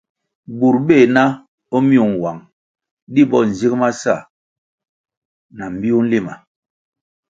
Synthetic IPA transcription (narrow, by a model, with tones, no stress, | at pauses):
bu˨ɾbe˦˨na˦ | o˦mi˦u˨ŋ˨wa˨ŋ | di˦bɔ˦˨n̩˨zi˦kma˦sa̰˦˨ | na˨m̩˨bi˦u˦n̩˦li˦˨ma˨